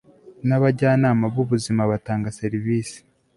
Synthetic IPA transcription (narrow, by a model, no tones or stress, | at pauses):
naβaɟaːnaːmabɡuβuzimaβataːŋɡaseɾiviːsi̥